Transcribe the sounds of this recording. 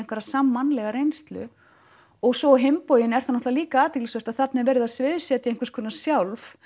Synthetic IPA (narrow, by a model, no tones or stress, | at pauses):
ŋkvɛɾasamːanːlɛɣaɾejnst̪lʏ̰ | ɔɣsɔɦempoːwjɪnɛɾ̥θanːɔt̪aliːkaaːt̪ɛklisvest̪aðθat̪nɪɛɾvɛːɾɪðaðsvɪðʏsjɛːt̪ɪejŋ̥kvaɾskʰɔnasjawlf